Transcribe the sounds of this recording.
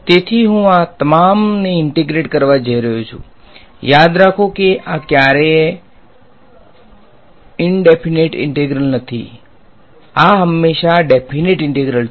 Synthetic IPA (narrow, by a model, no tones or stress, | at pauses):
t̪et̪ʰiɦũat̪əmamneɪɳʈeɡɾeʈkəɾʋad͡ʒəiɾəɦut͡ʃʰṵ | jad̪ɾakʰokeʔakjaɾe | ɪɳɖepʰineʈɪ̰̃ɳʈeɡɾəlnət̪ʰḭ | aɦəmːeʃaɖepʰineʈɪ̃ɳʈeɡɾəl